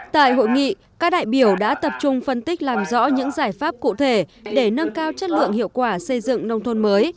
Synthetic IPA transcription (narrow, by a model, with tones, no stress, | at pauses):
t̪a̰ː˧˨jɦo̰˧˨jŋḭ˧˨ | kaː˦˥k̚ɗa̰ː˧˨jɓi˧˩əwɗa̰ː˧˥t̪ə˨˩p̚t͡ɕʊ˧ŋ͡mfə˧nt̪ï˦˥k̟̚laː˨˩mzɔ̰˧˥ɲɨ̰˧˥ŋzaː˧˩jfaː˦˥p̚kṵ˧˨t̪ʰe˧˩ɗe˧˩nə˧nkaː˧wt͡ɕə˦˥t̚lɨ̰˧˨əŋhḭ˧˨əwkwaː˧˩sə˧jzɨ̰˧˨ŋnə˧wŋ͡mt̪ʰo˧nməː˨˦j